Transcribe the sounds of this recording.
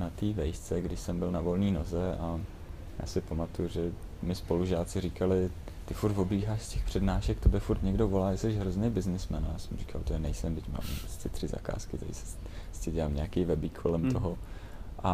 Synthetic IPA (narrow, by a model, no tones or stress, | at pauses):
nat̪iːvɛjst͡sɛɡdɪʃsɛmbɪlnavo̞lɲiːnozɛʔa | ja̰ːsɪpamat̪ujuʒɛmɪspo̞luʒaːt͡sɪriːkalɪ | t̪ɪfuɾt̪vobliːɦaːʃscɛxpr̝̥ɛdnaːʃɛkt̪obɛfuɾt̪ɲɛɡdo̞vo̞laːjɛsɛʃɦɾoznejbɪznɪsmɛnajaːsɛmri̥kalt̪ojɛnɛjsɛmdɪcma̰ːmɛst̪ɪt̪r̥ɪza̰ka̰ːskɪt̪a̰ḭsɛ̥ | stɪɟɛlaːmɲɛakejvɛbikʰvo̞lɛmt̪o̞ɦo̞ | ʔa